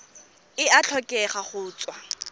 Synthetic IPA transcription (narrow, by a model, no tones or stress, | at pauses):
ɪat͡ɬʰɔkʼɛχaχʊːt͡sʼwa